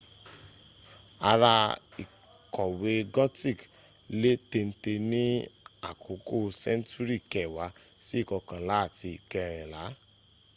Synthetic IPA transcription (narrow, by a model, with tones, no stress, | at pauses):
a˧ɾa˧ḭ˨ | kɔ˨we˧ɡɔ˦ti˦˨k | le˦te˧n̩˦te˧nĩ˦a̰˨kʰo˨˦ko˦˨sɛ̃˦n˦tu˦ɾi˦˨kɛ˨wa˨˧˦si˦˨kɔ˨˧kã˨la˨˦a˦˨ti˧i˨kɛ˧ɾ̃ɛ̃˨la˨˦